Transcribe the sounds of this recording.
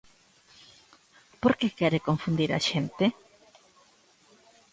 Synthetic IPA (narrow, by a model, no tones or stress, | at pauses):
poɾkekɛɾekõɱfũnd̪iɾa̰ʃent̪e